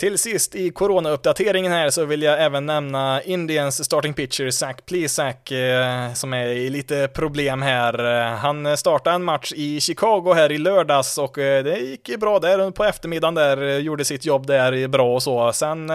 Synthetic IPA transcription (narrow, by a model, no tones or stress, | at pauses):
t̪ʰɪlsɪst̪ɪkʰʊɾoːnaɵp̚ːd̪at̪ʰeːɾɪŋənhæːɾsɔvɪljaɛːvənːɛmnaɪnd̪ɪənsːt̪ɑːʈɪŋpɪkt͡ʃəɾsækːpʰliːsæk | sɔmɛɾɪliːt̪əpʰɾʊbleːmɦæːɾhanst̪ɑːʈaɛnmat̪ʂɪɕɪkʰɑːɡʊɦæːɾɪløːɖɑːsɔkd̪ɛjɪkːəbɾɑːd̪æɾɵpʰɔɛft̪əɾmɪd̪ːand̪æːɾjuːɖəsɪt̪jɔbːd̪æɾbɾɑːɔsɔsɛn